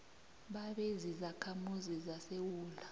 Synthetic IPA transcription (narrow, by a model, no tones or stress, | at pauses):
ɓaɓɛzizakʰamuzizasewuːla